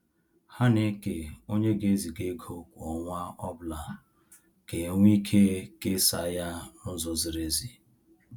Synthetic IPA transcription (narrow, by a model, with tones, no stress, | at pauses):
ha˦ne˦ke˨o˦ɲe˦ɡe˦zi˨ɡe˦ɡʰʱo˦kʷɔ˨ŋʷa˦ɔ˦bʊ˦la˨ | ke˨˦ŋʷ˦i˦kʰe˦ke˦sa̰˨˦ja˦nʊ˦zɔ˨zi˨ɾe˦zi˨